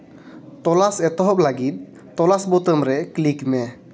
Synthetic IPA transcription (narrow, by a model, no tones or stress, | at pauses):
t̪ɔlasɛt̪ɔɦɔp̚laɡit̪̚ː | ɔlasbɔt̪əmɾɛklikmɛ